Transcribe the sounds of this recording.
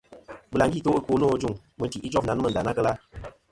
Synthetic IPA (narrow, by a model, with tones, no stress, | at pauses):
bɨ˨la˨˦ɡi˦˨to˨˦ko˨˦noː˦d͡ʒu˦˨ŋ | mɨ˨˦ti˨ʔi˦d͡ʒɔ˦fna˨˦n˦mə˨n˨da˨na˦kə˦la˦